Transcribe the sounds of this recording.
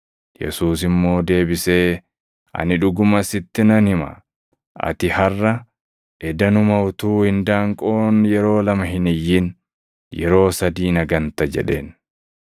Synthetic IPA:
jɛ̰suːsɪmːo̞ːd̪e̞ːbɪse̞ː | ʔɐ̰nɪᶑʊɡʊmɐsɪt̪ːɪnɐnɪmɐ̰ | ʔɐ̰t̪ɪhɐrːɐ | ʔɛd̪ɐnʊmɐwt̪uːhɪnd̪aːŋkʼo̞ːnjɛɾo̞ːlɐmɐɦɪnɪjːɪn | jɛɾo̞ːsɐd̪iːnɐɡɐnt̪ɐd͡ʒɛ̰ᶑe̞̰ːn

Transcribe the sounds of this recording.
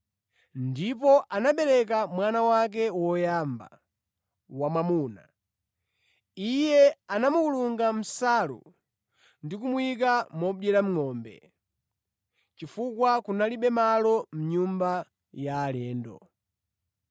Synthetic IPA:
ndipɔʔanaɓɛɾɛk̬amwanawak̬ɛwɔjaːmba̰ | wamamuːna̰ | ijɛanamukuluŋɡam̩salṵ | ndikumwik̬amɔɓɛɾam̩ŋɔːmbɛ̰ | t͡ʃifukwakunaliɓɛmalɔm̩ɲumba | jaːlɛːndɔ̰

